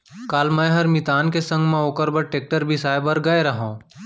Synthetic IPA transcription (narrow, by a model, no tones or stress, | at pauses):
kaːlmɛ̃ːɦɐɾmit̪aːnkesɐ̃ŋɡmẽoːkəɾbɐɽʈeːk̚ʈəɾbʱisaːebɐɾɡɐeɾɐɦõː